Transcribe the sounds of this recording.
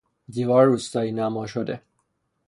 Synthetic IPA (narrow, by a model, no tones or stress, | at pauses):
d̪ivɒɾːust̪ɒinamɔʃod̪e